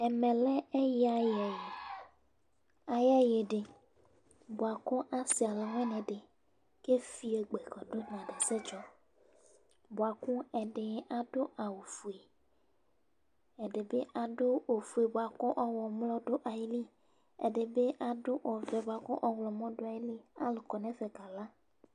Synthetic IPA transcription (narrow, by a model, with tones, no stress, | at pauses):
e˨mẽ˨lɛ˦e˦ji˦a˨jɛ˨je˨ | a˨jɛ˦je˨ɖe˨ | bo˨a˨ku˦ʔa˨si˨a˨le˨ŋ˦ɛ˦nɛ̃˨ɖe˨ | ke˦fi˦e˨ɡ͡be˨kɔ˨ɖo˦n˨ã˨ɖe˨se˦t͡ʃɔ˦ | bo˨a˨kũ˦e˨ɖe˦a˨ɖo˦ʔa˨wo˨fu˨e˨ | e˨ɖe˨be˦ʔa˨ɖo˦o˨fu˨e˨bo˨a˨kɔ̃˦ʔɔ˦wɔ˨mlɔ˦ɖo˦ʔa˨ji˦li˦ | ḛ˨ɖe˨be˦ʔa˨ɖo˦ʔɔ˨vɛ˨bo˨a˨kɔ̃˦ʔɔ˦wlɔ˨mɔ̃˦ɖo˦a˨ji˦li˦a̰˦le˨kɔ˨nɛ̃˦vɛ˨ka˨la˦